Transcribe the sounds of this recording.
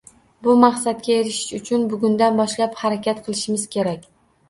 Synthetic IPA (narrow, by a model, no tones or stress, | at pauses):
bʊmaqsat̪̚kʲaeɾɪʃɪ̥ʃʊt͡ʃʰʊnbʊɡʲʊnd̪anbɒʃlaphaɾakʲʰat̪qʰɨlˠɪʃɪmɪz̥kʲʰe̞ɾak̚ʲ